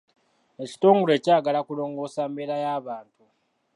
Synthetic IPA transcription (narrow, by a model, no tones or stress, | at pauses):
e̞ci̥to̞ːŋɡole̞ːcaːɡalakulo̞ːŋɡo̞ːsambe̞ɾajaːβaːntu